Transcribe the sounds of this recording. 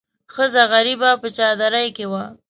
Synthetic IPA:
xəzaɣaɾibapət͡ʃɑd̪aɾajkewa

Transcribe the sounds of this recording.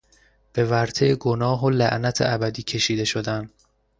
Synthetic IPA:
b̥e̞væɾt̪ʰejeɡonɒːɦolæʔnæt̪ʰḛʔæbæd̪iːcʲʰe̞ʃiːd̪e̞ʃo̞d̪æn

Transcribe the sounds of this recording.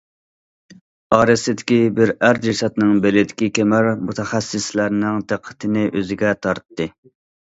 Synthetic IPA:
ɑːɾɨsɪd̪ɪkʲibɪɾæɾd͡ʒisɛt̪nɨŋbɪlɪd̪ɪkʲikʲemæɾmut̪ʰɛχæsːɪslæɾnɪŋt̪ʰeqʰːə̥t̪ʰɪnɪʔøzɪɡʲɛt̪ʰɑɾt̪ːɨ

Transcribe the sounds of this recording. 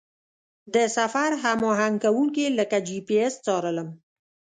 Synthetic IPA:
d̪əsafaɾɦamɑɦaŋɡkawuŋkiləkad͡ʒipiest͡sɑɾələm

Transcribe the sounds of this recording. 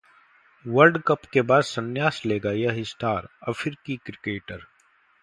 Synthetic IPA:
ʋɐɾɖkɐpkebaːd̪sɐnjaːsleːɡajaɦɪst̪aːɾɐfʰɪɾkikɾɪkeːʈəɾ

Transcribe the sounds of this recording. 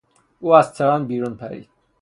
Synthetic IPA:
uːæzt̪ʰeɾanbiːɾunpʰæɾḭːd̪̥̚

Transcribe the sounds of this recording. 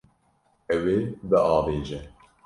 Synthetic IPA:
ɛweːbəʔɑːveːʒɛ

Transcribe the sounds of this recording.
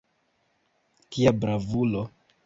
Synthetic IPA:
kiabɾavulo

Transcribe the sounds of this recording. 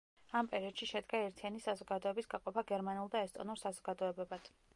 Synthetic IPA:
ampʼɛɾiɔd̪̥ʃiʃɛd̪ɡaɛɾt̪ʰianisazɔɡad̪ɔɛbisɡaqʼɔpʰaɡɛɾmanulˠd̪aɛst̪ʼɔ̰nuɾsazɔɡad̪ɔɛbɛbad̪̥

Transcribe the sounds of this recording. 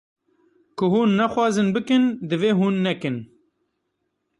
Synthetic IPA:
kʰʊɦuːnːɛxwɑːzɨnbɨkɨnd̪ɨveːɦuːnːɛkɨn

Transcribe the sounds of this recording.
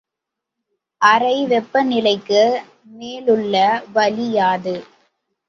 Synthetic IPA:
ʔɐɾɐɪʋɛpːɐnɪlɐɪkːɯ | meːlɯɭːɐʋɐlɪjaːðɯ

